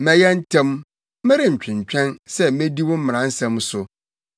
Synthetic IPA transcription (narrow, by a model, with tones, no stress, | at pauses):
mɛ̃˦jɛ˦n̩˦tʰɛ̃˦m | mɪ̃˦ɾɪ˨ɲ̩˨t͡ɕᶣɪ̃˨ɲ˨t͡ɕᶣɛ̃˦nsɛ˦mẽ˦di˦wɔ̃˦m̩˦mɪ̃˨ã˨˦n̩˦sɛ̃˦msʊ˨